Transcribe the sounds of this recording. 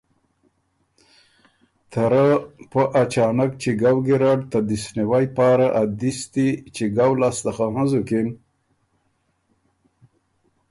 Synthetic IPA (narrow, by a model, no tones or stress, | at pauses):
t̪ʰaɾapəʔat͡ʃɑːnak̚t͡ʃiɡawɡiɾaɖt̪ad̪isniwajpɑːɾaʔad̪ist̪it͡ʃiɡawlast̪axaɦãzukin